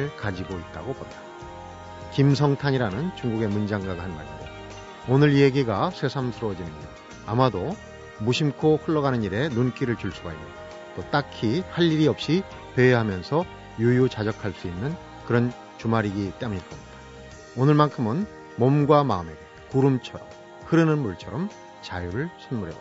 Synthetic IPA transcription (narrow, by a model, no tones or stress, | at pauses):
ɭkad͡ʑiɡoit̚t͈aɡopodḁ | kims̬ʰʌŋtʰaɲiɾanɯnt͡ɕuŋɡuɡe̞mund͡ʑaŋɡaɡaɦanma̰ɾido | onɯɾje̞ɡiɡasʰe̞sʰamsʰɯɾwʌd͡ʑinɯni | amado | muɕʰimkʰoɸɯɭːʌɡanɯniɾe̞nunk͈iɾɯɭt͡ɕuɭs͈uɡaimɲda | t͈ot͈akʰihaʎːiɾiʌp̚ɕ͈i | peːɦamjʌnsʰʌ | jujut͡ɕad͡ʑʌkʰaɭs͈uinːɯn | kɯɾʌn | t͡ɕumaɾiɡit͈e̞muɲiɭk͈ʌmɲid̥ḁ | onɯɭmankʰɯmɯn | mʌmɡwamaɯme̞ɡekuɾɯmt͡ɕʰʌɾʌ̰m | hɯɾɯnɯnmuɭt͡ɕʰʌɾʌm | t͡ɕajuɾɯɭsʰʌnmuɾḛo̰